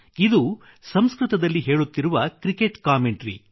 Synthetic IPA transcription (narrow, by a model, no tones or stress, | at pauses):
id̪u | sɐmskɾut̪ɐd̪ɐlːiɦe̞ːɭut̪ːiɾuʋɐkɾikeʈkaːmeɳʈɾḭ